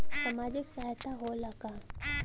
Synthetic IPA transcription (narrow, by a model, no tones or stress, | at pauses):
samaːd͡ʒɪksaɦjt̪ʰaɦolaka